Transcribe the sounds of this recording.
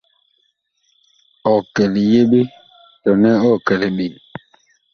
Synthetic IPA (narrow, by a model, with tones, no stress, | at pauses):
ɔ˨kɛ˨li˨je˦ɓe˦ | tɔ˨nɛ˦ɔ˦˨kɛ˨le˨ɓi˨